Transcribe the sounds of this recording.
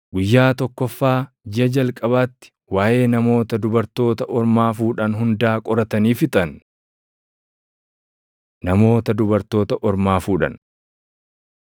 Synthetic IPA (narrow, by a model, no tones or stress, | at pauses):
ɡʊjːaːt̪ɔkːɔfːaː | d͡ʒɪɐd͡ʒɐlkʼɐbaːt̪ːɪ̥ | waːʔe̞ːnɐmo̞ːt̪ɐd̪ʊbɐɾt̪o̞ːt̪ɐʔɔɾmaːfuːᶑɐnɦʊnd̪aːkʼɔɾɐt̪ɐniːfɪt̪ʼɐn | nɐmo̞ːt̪ɐd̪ʊbɐɾt̪o̞ːt̪ɐʔɔɾmaːfuːᶑɐ̰n